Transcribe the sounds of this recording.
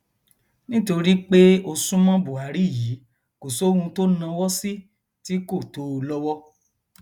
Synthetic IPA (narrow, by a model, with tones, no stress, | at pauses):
nĩ˦to˧ɾi˦k͡pe˦o˧sũ˦mɔ̃˦bu˨a˨˦ɾi˦˨ji˨˦ | ko˨so˦hũ˧to˦nã˧wɔ˦si˦ | ti˦ko˦˨to˨˦˧lɔ˦wɔ˦